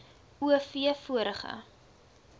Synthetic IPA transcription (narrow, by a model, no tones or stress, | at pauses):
uəfiəfuəɾəχə̰